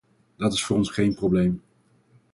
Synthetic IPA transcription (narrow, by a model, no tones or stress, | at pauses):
d̥ɑtɪsfʊːɾɔnsχejnproblejm